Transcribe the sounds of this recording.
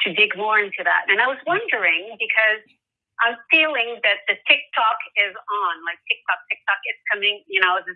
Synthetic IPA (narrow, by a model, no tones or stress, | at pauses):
tʰɨdɪɡmɔɹɪ̃ntʰʉðæ̰tɨ̃ñaɪwʌzwʌ̃ndə˞ɪ̃ŋbɨkʰʌz | ʔãɪ̃ɱfilˠɪ̃ŋðɨt̪̚ðɨtʰɪk̚tʰɔkɪzn̩laɪk̚tʰɪk̚tʰɑk̚tʰɪk̚tʰɑkɨz̥kʰʌmɪ̃ŋjɨnoʊɨzɨ